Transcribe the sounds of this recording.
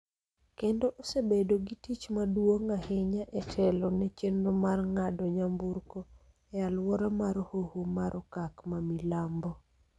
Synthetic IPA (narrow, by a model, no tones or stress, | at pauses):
kendoʔosebedoɡitit͡ʃmadwoŋaheɲaʔɛtʰɛlɔnɛt͡ʃenɔmarŋadɔɲambuɾko | ɛalwɔɾɔmaɾhohumaɾʔɔkakmamilambɔ